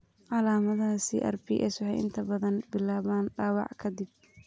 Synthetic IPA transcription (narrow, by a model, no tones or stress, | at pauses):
ʕɑlaːmɐðasḭʔɐ̰rbḭːʔɛ̰swɑħɛjʔɪ̰nt̪ʰɐbɐðɐnbɪlaːβaːnɖaːwɑ̰ʕkʰɐd̪ɪb̚